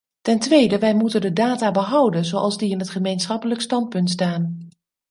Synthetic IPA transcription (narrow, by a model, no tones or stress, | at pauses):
tɛntʋejdəʋɛjmutəndədaːtaːbəɦʌwdənzowʔɑ̰lˠzdiɪnɦətχəmejnsχɑpələkstɑnt̚pɵntstaːn